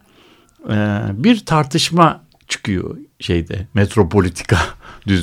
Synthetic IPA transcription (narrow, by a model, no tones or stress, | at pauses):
ɛbiɾt̪ʰaɾt̪ʰɯʃma | t͡ʃʰɯ̥kɯjo̰ʃejd̪ɛmet̪ɾo̞pʰo̞lʲit̪ʰi̥kad̪yz